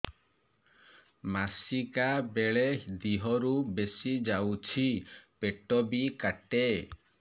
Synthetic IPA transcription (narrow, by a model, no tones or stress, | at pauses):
masikabeɭed̪iɦɔɾubesid͡ʒawt͡ʃʰipeʈɔbikaʈe